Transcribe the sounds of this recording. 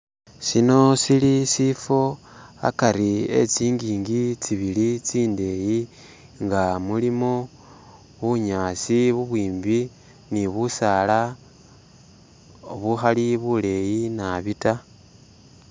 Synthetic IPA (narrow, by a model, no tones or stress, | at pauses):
sino̞silisifo̞ | a̰kaɾie̞̰t͡siːŋɡiːŋɡit͡siβilit͡siːnde̞ːji | ŋɡamulimo | βuɲaːsiβuβwiːmbi | niβusala | oβuxaliβule̞jinaβita